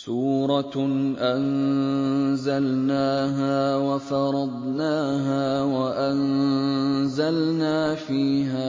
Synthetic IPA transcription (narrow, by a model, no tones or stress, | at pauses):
suːɾˤɑʔan | zalnaːɦaːwafɑɾˤɑd̪ˤnaːɦaːwaʔan | zalnaːfiːɦaː